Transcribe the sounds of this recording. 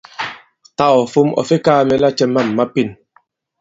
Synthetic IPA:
ta˦˨ɔ˨fu˦mɔ̰˨fe˦kaː˦˨mɛ˨la˦t͡ʃɛ˦mːa˦˨m̩ː˨a˦pi˦˨n

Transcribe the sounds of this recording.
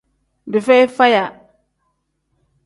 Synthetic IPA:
di˨fe˦jfa˦ja˨

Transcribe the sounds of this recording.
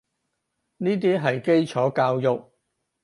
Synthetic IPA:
niː˥t̪̬iː˥ɦɐ˨jke˥jt͡ʃʰɔː˨˥kaː˧wjʊ˨˩k̚

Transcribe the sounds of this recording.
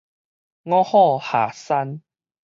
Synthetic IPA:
ŋɔ̃˦hɔ˥˧˨ha˨˩sa˦n

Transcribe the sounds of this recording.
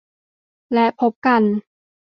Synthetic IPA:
lɛ˦˥pʰo˦˥p̚ka˧n

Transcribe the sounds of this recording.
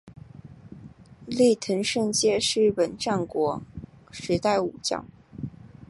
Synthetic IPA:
li˥˩t̪ʰə˧˥nʂɤ˥˧nt͡ɕjɛ˥˧ʂɻ̩˥˩pə˨˩nʈ͡ʂa˥˩nkwɔ˧˥ʂɻ̩˧˥t̪a˥˩ɪu˨˩t͡ɕjɑ̰˥˩˦ʊ

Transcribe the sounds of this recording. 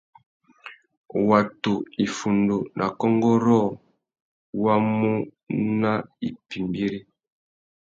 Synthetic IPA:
wa˨tu˨i˨fu˨ndo˨nʔa̰˨kɔ˦ŋɡɔ˦ɾɔ˦˨ | wa˦mu˦ | na˦i˨pi˨mbi˦ɾi˦

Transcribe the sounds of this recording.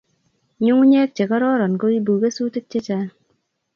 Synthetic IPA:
ɲu˦ŋu˦ɲɛː˦k̚t͡ʃe˨kɔ˦ɾɔ˦ɾɔ˨nɡo˦i˦buː˨ɡe˦suː˦te˦k̚t͡ʃe˦t͡ʃa˦n

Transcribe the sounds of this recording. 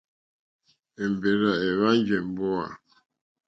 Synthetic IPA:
e˨m˨be˨ɾa˨e˨βa˦n˦d͡ʒɛ˨m˨bɔ˦a̰˨

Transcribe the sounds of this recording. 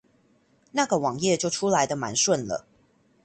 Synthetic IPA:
na˥˨ɡə˩wɑ˨˩ŋjɛ˥˨t͡ɕjo˥˩ʊʈ͡ʂʰu˦˥la˧˦ɪd̪ə˨ma̰˧˦nswə˥˨nlə̰˨˩

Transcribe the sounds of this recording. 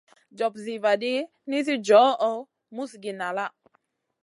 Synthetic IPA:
d͡ʒɔ˨p̚zi˨va˨di˦ | ni˦s̬i˦d͡ʒɔ˨˦ɔ˨ | mu˦sɡi˨na˨la˦˨ʔ

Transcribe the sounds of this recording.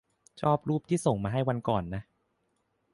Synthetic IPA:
t͡ɕʰɔː˥˩p̚ɾuː˥˩p̚t̪ʰiː˥˩so˨˩ŋmaː˧ɦa˥˩jwa˧nkɔː˨˩nːa˦˥ʔ

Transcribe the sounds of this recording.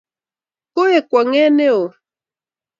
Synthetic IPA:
ko˦e˨kwa˨ŋɛ˦ne˦o˨

